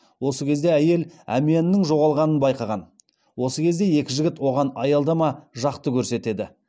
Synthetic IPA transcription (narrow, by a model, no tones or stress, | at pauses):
wo̞səkʲʰe̞zd̪e̞æje̞læ̰mijenɪːɪŋʒo̞ʁɑlˠʁɑnənbɑjqɑʁɑn | wo̞səkʲʰe̞zd̪e̞je̞kʲɪʒɪɡʲɪt̪wo̞ʁɑnɑjɑlˠd̪ɑmɑʒɑqt̪əkʲʰɵɾse̞t̪e̞d̪ɪ